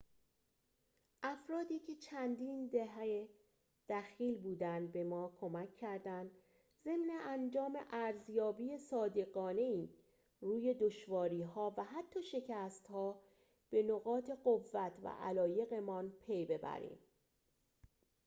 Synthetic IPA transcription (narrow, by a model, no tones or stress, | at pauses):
ʔæfɾɒːd̪iːcʰe̞t͡ʃʰænd̪iːnd̪eɦæe | d̪̥æxiːlbuːd̪ænd̪bemɒːkʰo̞mæcʰːæɾd̪ænd̪ | ze̞mne̞ʔænd͡ʒɒːme̞̰ʔæɾzjɒːbiːesɒːd̪e̞ɣɒːne̞iː | ruːje̞d̪oʃvɒːɾiːɦɒːvæɦæt̪ʰːɒːʃe̞cʰæst̪hɒː | b̥e̞noɣɒːt̪ʰe̞ɢovːæt̪ʰvæ̰ʔæ̰lɒːje̞ɣe̞mɒnpʰe̞jbe̞bæ̰ɾḭːm